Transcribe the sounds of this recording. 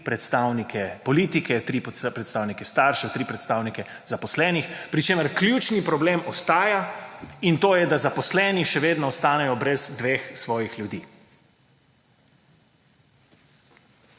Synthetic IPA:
pɾɛt̪st̪aːwnikʰɛpɔliːt̪ikɛt̪ɾip̪pɾɛt̪st̪aːwnikɛst̪aːɾʃɛt̪ɾiːpɾɛt̪st̪aːwnikɛ | zapɔslɛːnixpɾit͡ʃeːməɾklʲjut͡ʃnipɾɔbleːmɔst̪aːjaint̪oːjɛd̪azapɔslɛːniʃɛʋeːd̪nɔːst̪aːnɛjɔbɾɛzd̪ʋeːxsʋɔːjixljud̪iː

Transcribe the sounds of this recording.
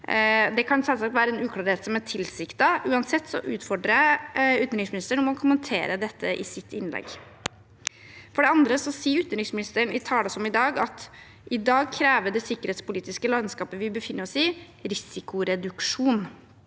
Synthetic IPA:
d̪ɛkʰɑnsɛlsɑk̚t̪ʋæːɾəɛnʉːkʰlɑːɾheːt̪sɔmæʈʰɪlsɪkt̪ɑʔʉːɑnsɛt̪ːsɔ̰ʔʉːt̪fɔɖɾəʉt̪nɾɪsmɪnɪst̪əɳʊmɔkʰʊmənt̪ʰḛːɾəd̪ɛt̪ʰːəʔɪ̰sɪt̪ːɪnlɛ̰ɡ | fɔɖɛɑnd̪ɾəsɔsiːəɾʉt̪nɾɪsmɪnɪst̪əɳɪt̪ʰɑːlɔsɔmɪd̪ɑːɡɑt̪ | ʔɪd̪ɑːɡ̚kʰɾæːʋəɖɛsɪkːəɾheːt̪spʊliːt̪ɪskəlɑnskɑːpəʋɪbəfɪnːəɾɔsiː | ɾɪsɪkʊɾɛd̪ʉkʂuːn

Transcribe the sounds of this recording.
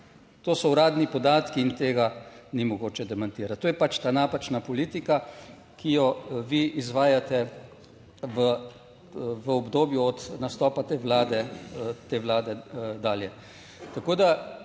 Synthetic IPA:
t̪oːsɔuɾaːd̪nipɔd̪aːt̪kiːnt̪eːɡanimɔɡoːt͡ʃɛd̪ɛmant̪iːɾat̪t̪oːjɛpat͡ʃt̪aːnaːpat͡ʃnapɔliːt̪ika | kijɔʋiizʋaːjat̪ɛ | ʋə | ʋəɔbd̪oːbjuɔt̪nast̪ɔːpat̪eʋlaːd̪ɛt̪eːʋlaːd̪ɛd̪aːljɛ | t̪akoːd̪a

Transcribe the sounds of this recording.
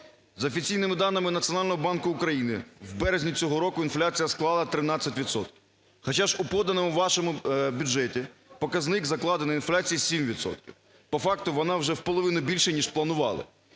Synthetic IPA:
zɐɔfʲit͡sʲijnɪmɪd̪ɑnɪmɪnɐt̪t͡sʲjɔnɑlʲnɔɦɔbɑnkʊːkɾɐjinɪwbɛɾezʲnʲit͡sʲɔɦɔɾɔkʊinflʲat͡sʲijɐsklˠɑlˠɐt̪ɾɪnɑt͡sʲːɐtʲʋʲit̪sɔt̪kʲɪww | xɐt͡ʃaʒʊpɔd̪ɐnɔmʊʋʋɑʃɔmʊbʲʊd͡ʒɛtʲipɔkɐznɪɡzɐklˠɑd̪enɐinflʲat͡sʲijisʲimʋʲit̪sɔ̰t̪kʲiw | pɔfɑkt̪ʊʋɔnɑwʒɛwpɔlˠɔʋɪnʊbʲilʲʃɛnʲiʃplˠɐnʊʋɑ̰lˠɪ̰

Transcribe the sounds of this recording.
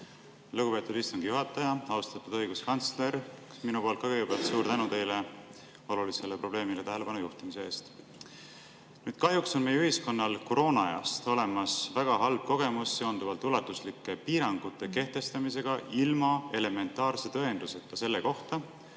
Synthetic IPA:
luɡupe̞ːt̪ːˑud̪ist̪uŋɡ̥ijuɦɑt̪ːˑɑjɑɑwst̪ɑt̪ːud̪ɤ̞jɡ̥uskɑnt̪sle̞ɾminupolkːɑɡeɡepeɑlt̪suːɾt̪ænut̪e̞jle | o̞lulise̞lːepro̞b̥le̞ːmile̞t̪æɦele̞pɑnujuht̪imiseeːst̪ | nyːd̪̥̚kɑɦjukso̞nme̞jːyhisko̞nːɑlko̞ɾo̞ːnɑeɑ̰st̪o̞le̞mɑsvæɡ̥ɑɦɑlb̥̚ko̞ɡ̥e̞musːe̞ond̪uvɑlt̪ˑulɑt̪ːˑuslikːˑepiːɾɑŋɡ̥ut̪ˑːe̞ke̞ht̪e̞st̪ɑmise̞ɡ̥ɑʔilmɑe̞le̞me̞nt̪ːˑɑːrset̪ɤend̪̥use̞t̪kːɑse̞lːeko̞ht̪ɑ

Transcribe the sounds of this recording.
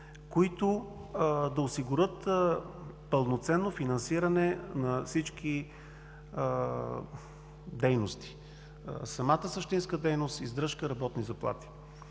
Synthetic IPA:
koit̪o | d̪ɐosiɡʊɾət̪ | pəlˠnot̪sɛnːofinɐnsiɾənɛnɐfsit͡ʃki | d̪ɛjnost̪i̥ | sɐmat̪əsəʃt̪inskəd̪ɛjnost̪izd̪ɾɤʃkəɾɐbɔt̪nizɐplˠa̰t̪i̥

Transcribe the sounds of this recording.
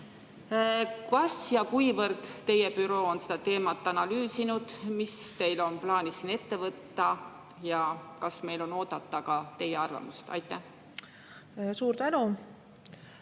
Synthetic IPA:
kɑsjɑkujvɤɾd̪̥t̪ːe̞jepyɾo̞ːonse̞̥d̪̥ɑt̪e̞ːmɑt̪ːˑɑnɑlyːsinud̪̥mist̪e̞jlo̞nplɑːnisːine̞t̪ːe̞vɤt̪ːɑ | jɑkɑsme̞jlo̞no̞ːd̪̥ɑt̪ːɑkɑt̪e̞jeɑrvɑ̰must̪ɑ̰jt̪ːˑæh | suːɾt̪ænu

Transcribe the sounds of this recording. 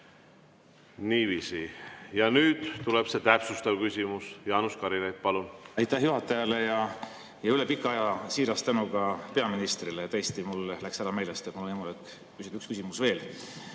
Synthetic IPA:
niːviːsijɑnyːd̪̥t̪ulɛb̥se̞t̪æpsust̪ɑvkysʲimusjɑːnuskɑɾilet̪̚pɑlunɑjt̪ːæhjuɦɑt̪ːˑɑjɑle̞jɑ | jɑylepikːˑɑjɑsiːɾɑst̪ænukɑpe̞ɑminist̪rilet̪æjest̪imullæksæɾɑme̞jlest̪et̪mulonimolek | kysid̪̥ykskysimusve̞ːl

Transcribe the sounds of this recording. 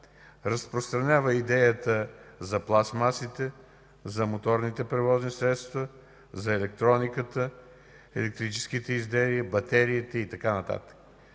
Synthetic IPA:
ɾəspɾost̪ɾɐnʲavəid̪ɛjət̪əzɐplˠasmasit̪ɛ | zɐmot̪ɔɾnit̪ɛpɾɛvɔznisɾɛt̪st̪və | zɐɛlɛk̚t̪ɾɔnikət̪ə | ɛlɛk̚t̪ɾit͡ʃɛ̥sk̟it̪ɛizd̪ɛlibɐt̪ɛɾiːt̪ɛit̪ɐkanɐt̪a̰t̪ə̥k

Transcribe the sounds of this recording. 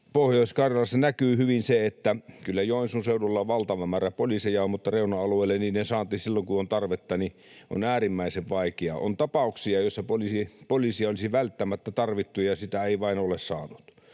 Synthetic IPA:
pohjoˑiskɑrjɑlɑsːɑnækyːhyʋinseet̪ːækylːæjoˑinsunseululːɑʋʋɑlt̪ɑʋɑmæːræpolisejɑommut̪ːɑreˑunɑɑlueˑːlːenninnesɑːnt̪ːisilːoŋkuont̪ɑrʋet̪ːɑni | ʔo̰næːrimːæˑiseʋʋɑˑikeɑ̰o̰nt̪ɑpɑˑuksiɑjosːɑpolisipolisiɑolisiʋælt̪ːæmæt̪ːæt̪ɑrʋit̪ːujɑsit̪æeˑiʋɑˑinolessɑ̰ːnut̪

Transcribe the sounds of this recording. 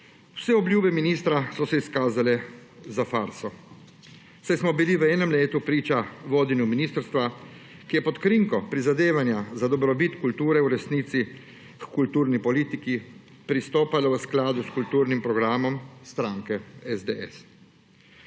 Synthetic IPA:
w̥sɛɔbljuːbɛminiːst̪ɾasɔsɛiskaːzalɛzafaːɾsɔ | sajsmɔbiliʋəɛːnɛmleːt̪upɾiːt͡ʃaʋoːd̪injuminiːst̪əɾst̪ʋa | kijɛpɔt̪kɾiŋkɔpɾizad̪eːʋanjazad̪ɔbɾɔbit̪kult̪uːɾɛwɾɛsniːt̪si | kult̪uːɾnipɔliːt̪iki | pɾist̪oːpalɔʋəsklaːd̪uskult̪uːɾnimpɾɔɡɾaːmɔmst̪ɾaːŋkɛɛzd̪eɛ̰s

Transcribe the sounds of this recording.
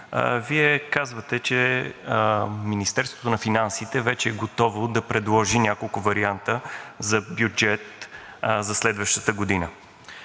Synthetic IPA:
viɛkazvət̪ɛt͡ʃɛ | minist̪ɛɾst̪vo̥t̪onɐfinansit̪ɛvɛt͡ʃɛːɡot̪ɔvod̪ɐpɾɛd̪lˠɔʒinʲakolˠkʊvɐɾiant̪əzɐbjud͡ʒɛt̪ | zɐslɛd̪vəʃt̪ə̥t̪əɡod̪inə

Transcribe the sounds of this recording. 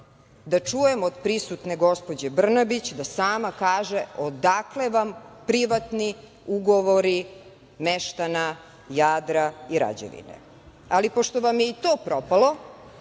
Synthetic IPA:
d̪at͡ʂujemod̪pɾisut̪neɡo̞spo̞d͡ʑebr̩nabit͡ɕd̪asaːmakaːʒeod̪akle̞ʋampɾiʋat̪ni | uɡoʋoɾi | meʃt̪ana | jaːd̪ɾaiɾa̰d͡ʑḛʋḭnḛ | alipo̞ʃt̪oʋamjeit̪oːpɾopalˠo̞

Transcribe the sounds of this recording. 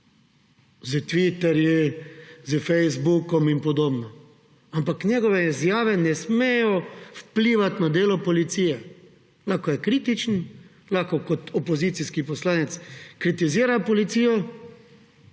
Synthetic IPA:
zət̪ʋit̪ɛɾji | zəfɛjzbukɔminpɔd̪oːbnɔ | ampaknɛɡɔʋɛizjaːʋɛnɛsmejɔfpliːʋat̪nad̪eːlɔpɔlit̪siːjɛ | laxkɔjɛkɾiːt̪it͡ʃn | laxkɔkɔt̪ɔpɔziːt̪siskipɔslaːnɛt̪skɾit̪iziːɾapɔlit̪siːjɔ

